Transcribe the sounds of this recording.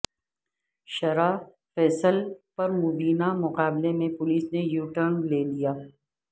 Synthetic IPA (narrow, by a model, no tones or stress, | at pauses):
ʃɐɾa | fɛːsəlpɐɾmʊbiːnamʊqaːblemẽpʊliːsnejuːʈəɾnleːlijaː